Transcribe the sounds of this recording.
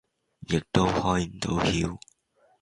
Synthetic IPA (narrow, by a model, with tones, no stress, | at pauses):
jɪ˨k̚t̪o˥whɔː˥jm̩˨˩t̪o̰˨˥whiː˧w